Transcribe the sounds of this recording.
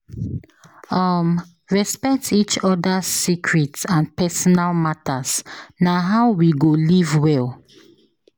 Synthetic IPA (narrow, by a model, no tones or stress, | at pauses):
ɔm | ɹɛspɛk̚tʰit͡ʃɔdasikʰɹitãnpɛsɔnalmatasnaɦaʊwiɡolivwɛl